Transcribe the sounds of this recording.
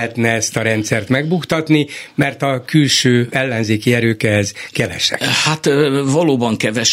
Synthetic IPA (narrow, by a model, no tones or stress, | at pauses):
ɛt̪nɛɛst̪ɒɾɛnt̪sɛrt̪mɛɡbukt̪ɒt̪nimɛrt̪ɒkylʃøːɛlːɛnzeːkiɛɾøːkɛɦɛzkɛvɛ̰ʃɛ̰khat̪vɒloːbɒŋkɛvɛʃ